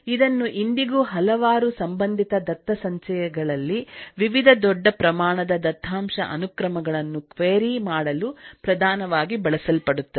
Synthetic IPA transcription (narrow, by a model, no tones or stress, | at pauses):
id̪ɐnːuʔind̪iɡuːɦɐlɐʋaːɾusɐmbɐnd̪ʱit̪ɐd̪ɐt̪ːɐsɐɲt͡ʃɐjɐɡɐɭɐlːiʋiʋid̪ʱɐd̪ɔɖːɐpɾɐmaːɳɐd̪ɐd̪ɐt̪ʰːaːmʂɐ̰ʔɐ̰nukɾɐmɐɡɐɭɐnːukʋeːɾimaːɽɐlupɾɐd̪ʱaːnɐʋaːɡibɐɭɐsɐlpɐɽut̪ːɐ